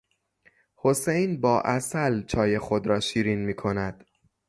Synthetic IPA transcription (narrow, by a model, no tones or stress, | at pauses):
ho̞sejnbɒːʔæsælt͡ʃʰɒːje̞xo̞d̪ɾɒːʃiːɾinmiːkʰo̞næd̪̥